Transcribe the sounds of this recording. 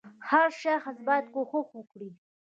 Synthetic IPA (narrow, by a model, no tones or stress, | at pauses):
haɾʃaxasbɑjt̪koxoxwəkɽi